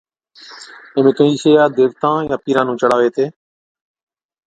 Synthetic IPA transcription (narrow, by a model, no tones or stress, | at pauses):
ẽːmẽːkəiːseːjaːd̪eːʋt̪ãːjãːpiːɾãːnũːt͡ʃəɽaːʋeːt̪ʰeː